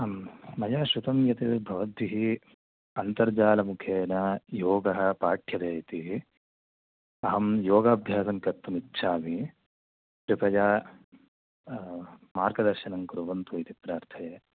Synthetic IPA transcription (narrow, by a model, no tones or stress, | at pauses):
mɐjaːʃut̪ɐmjɐt̪ebʱɐʋɐd̪ʋiɦi | ɐnt̪ɐɾd͡ʒaːlɐmukʰeːnɐjoːɡɐɦɐpaːʈʰjɐd̪eːjt̪iɦi | ɐɦɐmjoːɡaːbʱjaːsɐŋkɐt̪ːɐmitːʃʰaːmi | pɾipɐjaː | maːɾɡɐd̪ɐɾʃɐnɐŋkuɾuʋɐnt̪uit̪ipɾaːɾt̪ʰɐje